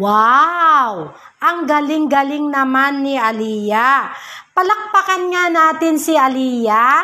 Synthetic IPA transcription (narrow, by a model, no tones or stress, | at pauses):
wa | w | ʔɐŋɡɐlɪŋɡɐlɪŋnɐmanːɪʔɐliːjapɐlɐk̚pɐkɐnŋanaːt̪ɪnsɪʔɐliːja